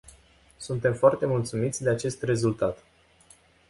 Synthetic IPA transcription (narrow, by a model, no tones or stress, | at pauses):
sunt̪e̞mfoart̪e̞mult̪sumit̪sʲd̪e̞at͡ʃe̞st̪re̞zult̪at̪